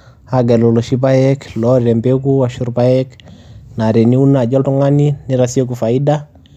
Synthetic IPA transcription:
haɡɛ˨lɔ˨lɔ˨ʃi˦ba˦jɛklɔɾɛ˨mbe˦k̬u˦wa˨ʃu˦ɾpa˦jɛ˦kna˨ɾɛ˨ni˦u˦na˨d͡ʒɔ˦ltu˦ŋa˦ni˦ni˦ɾasi˦e˦ku˨fa˨i˦da

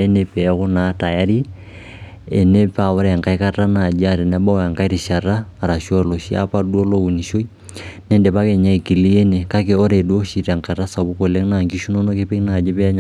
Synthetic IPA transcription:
e˦ne˦pɛ˦kʊ˦na˦ta˨ja˦ɾi˦ | e˨ne˦pa˨o˦ɾɛ˨ŋka˦i˦ka˦ta˦na˨d͡ʒa˦ɾɛ˨nɛ˦ba˦wɛ˨ŋka˦i˦ɾi˨ʃa˨raː˦˨ɾa˨ʃɔ˦lo˨ʃi˦a̰˦pa˦du˦o˦lo˦u˨ni˨ʃo˦i˦ | nɛ˦ndɛ˨pa˦ke˨ɲa˦i˨ki˨li˦e˦ne˨ka˦ke˨o˦ɾe˨du˦o˦ʃi˨ɾa˨ŋka˨ɾa˦sa˨bu˦ko˨le˦ŋna˨ŋɡi˦ʃu˦no˦no˦ke˦pi˦ŋna˨d͡ʒe˦pɛ˦a˦ɲ˨

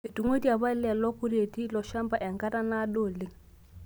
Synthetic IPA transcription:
e˨tu˨ŋo˦ti˦a˨βa˦lɛ˨lɔ˦ku˦ɾe˨ti˦lɔ˨ʃa˦mba˦˨ʔɛ˨ŋka˦ɾa˦na˦do˦˨lɪ˦ŋ

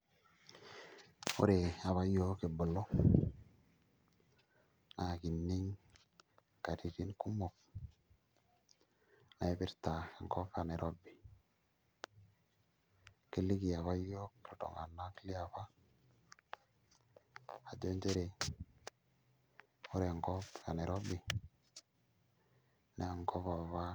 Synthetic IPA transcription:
o̰˦ɾe˨a˨βa˦jo˦ke˨bo˨lːo˦ | na˨ki˨nːi˦ŋ | ka˨ɾi˨ɾi˦nku˦mo˨k̚ | na˨e˦bi˦ɾta˨ke˨ŋko˦fa˦˨ne˨ɾo˦bi˨ | ki˦li˦ki˨ja˨βa˦jɔ˦kdɔ̰˨ŋa̰˨nːa˦ki˦li˦a˨ba˦ | a˨d͡ʒo˦nd͡ʒe˦ɾe˨ | o˦ɾe˨ŋɡɔ˦pka˨ne˨ɾɔ˦bi˨ | ne˦a˨ŋkɔ˦pa˨βa˦

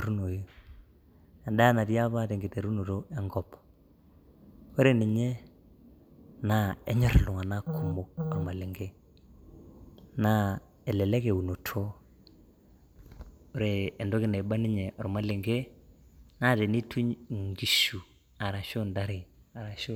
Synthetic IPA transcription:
ɾu˦no˨je˦ | a˨ɗa˦na˨tja˦βa˦te˨ŋɡɪ˨te˨ɾu˦no˨ɾo˦ɛ˦ŋɡɔ˦˨p | o˦ɾe˨nɪ˨ɲe˦ | na˦ɛ˦ɲɔ˦ɾɛ˨lʊ˨ŋa˨na˦kʰu˨mo˦ka˨ma˨le˨ŋɡe˦ | na˦ | ɛ˨lɛ˨lɛ˦ke˨u˨no˨tʰo˦ | o˦ɾeː˦˨ndo˦kɪ˦ne˨ba˦nɪ˦ɲɛ˨ʔɔ˨ɾma˦le˨ŋɡe˦ | na˦˨te˨ni˦tʰu˦ɲŋɡi˨ʃu˨ | a˨ɾa˨ʃo˦nda˦ɾɪ˨a˨ɾa˨ʃo˦

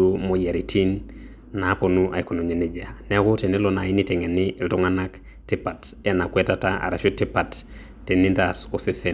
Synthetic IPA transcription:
o˦mo˨ja˨ɾi˨tʰi˦n | na˨˦po˨nu˦ʔa̰˨i˨ko˨no˨ɲe˨ne˨d͡ʒa˨nɛ˦a˦ko˦te˨ne˦lo˨na˨i˦ni˦tɛ˨ŋɛ˨ni˦e˨ltɔ˦ŋa˦na˦k | ti˦pa˨tɛ˦na˨kwɛ˦tata˦a̰˨ɾa˨ʃo˦ti˦pa˨tː | e˨ni˦nda˨so˨si˦se˨

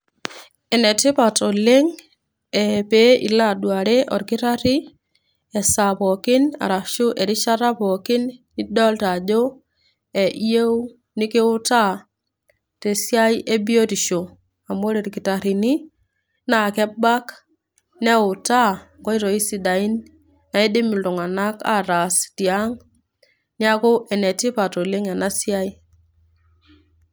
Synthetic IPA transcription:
ɛ˨nɛ˨tɪ˦pa˨to˨le˦ŋ | ɛ˨pe˦ʔḭ˨la˦˨dwa˨ɾe˦ʔɔ˨ɾkɪ˦ta˦ɾi˦ | ɛ˨sa˨pɔ˨kɪ˦na̰˨ɾa˨ʃu˦ʔɛ˨ɾi˦ʃa˦ɾa˦pɔ˨kɪ˦n | i˦dɔ˦lta˨d͡ʒo˦ | ɛ˨ʔi˦je˦u˦ | nɪ˦kɪ˦ʊ˦ta˦ | te˨sja˦jʔe˦bi˦o˦ti˨ʃo˨ | a˨mo˦ɾe˨ɾki˨ta˨ɾi˨ni˦ | na˨kɛ˦ba˦k | nɛ˦ʊ˨ta˦kɔ˦i˦ɾo˨i˦si˦da˨i˦n | na˨e˦di˦mi˨ldo˨ŋa˨na˦ka̰˦ɾa˨sti˨a˦ŋ | ni˦a˦ko˦ʔɛ˨nɛ˨ti˦pa˨to˨le˦ŋɛ˨na˦sja˦i˦

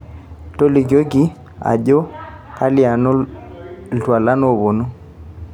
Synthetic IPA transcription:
to˦li˨ɡo˦ɡi˦ | a̰˨d͡ʒɔ˦ | ka˦li˦˨a˨no˦ | ltwa˨la˦no˦˨βo˨nu˦

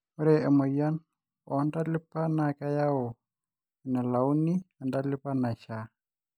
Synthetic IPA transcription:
ɔ˦ɾɛ˨ɛ˨mɔ˨ja˦n | ɔ˨nda˦lɪ˦pːa˦na˨ka˦ja˦ɔ˨ | na˨la˨u˦ni˦a˨nda˦lɪ˦pa˦na˨ʃa˨

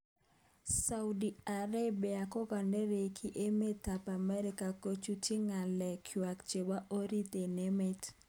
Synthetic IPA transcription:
saudia˨ɾa˦bia˨kɔ˦ɡɔ˨nde˦ɾe˨kʰi˦ʔe˦me˦ta˨pa˨mɛ˦ɾɪ˦ka˨ko˦t͡ʃu˦ti˦ŋa˨lɛ˨kʰwa˨kt͡ʃe˨ba˦ʔo˦ɾi˦t̪e˨ne˦me˦t

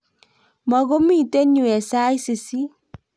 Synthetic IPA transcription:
mɔ˨ɣo˦mi˦˨te˦ɲu˨ɛ˨sa˦jse˨si˦

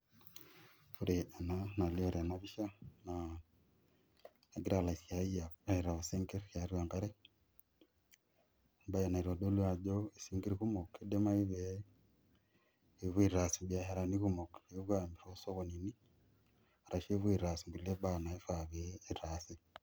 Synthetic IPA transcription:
uɾee˨nana˨li˦oɾa˨naβi˦ʃa˦na | aɡi˦ɾa˨la˨sja˨i˦jaai˨ɾa˨βose˦ŋɡe˦ɾka˨ɾwa˨ŋɡa˦ɾe˦ | ba˦ja˨na˨i˨ɾo˨do˦lwa˨d͡ʒo˦e˨si˦ŋɡi˦ɾiku˦mo˨kede˦ma˦i˦βe | βwi˦ɾɾa˨si˨bjahe˨ɾa˨nikumo˨keβwambi˨ɾo˦so˦ɣonini˦ | a˨ɾa˨ʃe˦βwi˨ɾɾa˨si˨ŋɡule˦bana˨i˦faβeː˦ɾasi˦

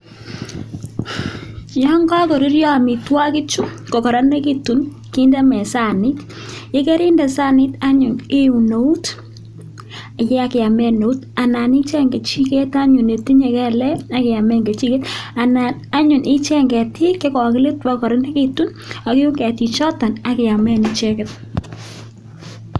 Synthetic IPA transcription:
jɔ˦ŋɡa˦ko˨ɾi˦rjɔ˦a˨mɪ˨twa˦kɪ˦t͡ʃu˦kɔ˨kɔ˨ɾa˦ne˦ki˦tu˨n | ki˦nda˦mɛ˨sa˦nɪ˦t | je˦kɛ˦ɾi˦ndɛ˨sa˦nɪ˦ta˦ɲʊ˨ne˦u˨no˨u˦t | a˨jɛ˦a˨ke˨a˨mɛ˨no˨u˦ta˨na˨ni˦t͡ʃɛ˦ŋɡe˨t͡ʃi˦ke˦ta˦ɲʊ˨ne˨ti˦ɲe˨kɛ˦lɛ˦a˨kɪ˨a˨mɛ˦ŋɡe˨t͡ʃi˦ke˦ta˨nana˦ɲʊ˨nʔɪ˦t͡ʃɛ˦ŋɡɛ˨tʰi˦ke˦kɔ˨kɪ˦le˦twa˦kɔ˨ɾa˦ne˦ki˦tu˦n | a˨kɪ˦u˦ŋɡɛ˨ti˨t͡ʃɔ˦ta˨na˨˦kɪ˨a˨mɛ˦ni˨t͡ʃɛ˦kɛ˦t

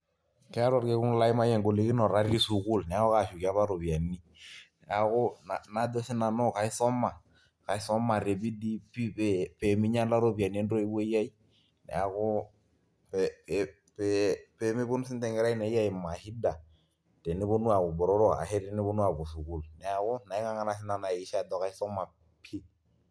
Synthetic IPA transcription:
kɛ˦a˦ɾɔ˦˨ɾke˦ku˦ŋla˦i˦ma˦jɛ˨ŋɡo˨le˨ki˦nɔ˨ɾa˦ɾi˦su˨ku˦lnɛ˨a˦ko˦ka˨ʃu˨ki˨a˦βa˦ɾo˨bi˨a˨nːi˦ | nɛ˨a˨ko˦na˨na˨do˦si˦na˨no˦ka˨i˦sɔ˦mːa˨ | ka˨i˦sɔ˦ma˨ɾe˨bi˦di˦pi˦ppe˨mi˦ɲa˦la˦ɾo˦bi˨a˨n˦e˦ndo˦i˦be˦ja˦i˦ | nɛ̰˨a˨kʊ˦ | pɛpɛ | pɛpɛ˨mi˦bo˦nu˦sɪ˦ntɛ˨ŋɡɛ˦ɾa˦i˦nɛ˨˦ja˦i˨mːa˨hi˦da˨ | tɛ˨nɪ˦bo˦nu˦a˨bʊ˨bɔ˨ɾɔ˦ɾɔ˦a̰˨ɦɛ˦ɾɪ˦nɪ˦bo˦nu˦a˨bu˨su˨ku˨lnɛ˨a˨kʊ˦na˨i˦ŋa˦ŋa˦na˨s̬ɪ˦na˨na˨i˨ʃa˦dɔ˨ka˨i˦sɔ˦ma˨ | pʰi˦

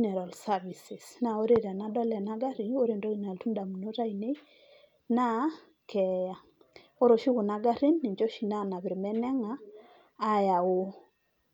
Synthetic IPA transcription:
nɛ˨ɾa˨lsa˦vi˨si˨sna˨o˦ɾe˦˨ɾa˨na˦dɔ˦lɛ˨na˦ɡa˦ɾi˨o˦ɾe˨ndo˦in˨a˨ltu˦nda˨mu˨no˦ɾa˦ine˦ | na˦ | kɛja˨ | o˦ɾo˨ʃi˦ku˨na˨ɡa˦ɾi˦nːi˨ɲd͡ʒo˦ʃi˨na˦na˨βɪ˨ɾmɛ˦nɛ˦ŋaː˦ | ja˨o˦

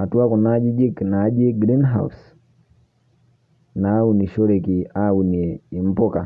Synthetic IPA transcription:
a˨tu˦a˦ku˨nad͡ʒi˦d͡ʒi˦kna˨˦d͡ʒi˦ɡɾi˦nɦa̰˨ṵs | na˦u˨ni˨ʃɔ˦ɾɛ˨ki˨a˦u˨niː˨m̩˦pɔ˦ka˨

